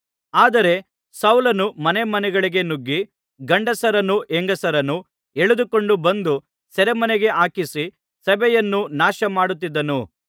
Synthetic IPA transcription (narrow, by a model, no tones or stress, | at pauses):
aːd̪ɐɾe̞ | sɐwlɐnumɐnemɐnɛɡɐɭiɡe̞nuɡːi | ɡɐɳɖɐsɐɾɐnːuʔeŋɡɐsɐɾɐnːu | eɭud̪uko̞ɳɖubɐnd̪u | sɛɾemɐnɛɡe̞ʔaːkisi | sɐbɛjɐnːunaːʃɐmaːɽut̪̬ːid̪ːɐnu